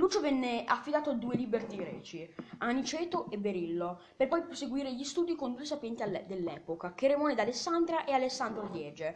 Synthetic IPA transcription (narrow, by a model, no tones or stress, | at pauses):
luːt͡ʃovɛnːeafːid̪aːt̪oad̪ːuːelibert̪iɡɾɛːt͡ʃianit͡ʃɛːt̪oʔebːeɾilːo | perpɔjpɾoseɡwiːɾeʎist̪uːd̪ikond̪uːesapjɛnt̪iald̪elːɛːpokak̟eremɔːned̪alesːand̪ɾaʔealesːand̪ɾod̪jɛːd͡ʒe